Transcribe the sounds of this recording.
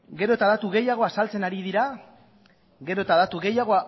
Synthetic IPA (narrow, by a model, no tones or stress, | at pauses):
ɡe̞ɾo̞et̪aðat̪uɣe̞jaɣ̞o̞asalt͡se̞naɾiðiɾa | ɡe̞ɾo̞et̪aðat̪uɣe̞jaɣ̞o̞a